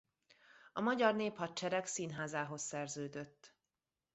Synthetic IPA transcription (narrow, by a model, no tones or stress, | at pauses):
ɒmɒɟɒrneːphɒt̪t͡ʃɛɾɛksiːnɦaːzaːɦo̞sːɛrzøːd̪øt̪ː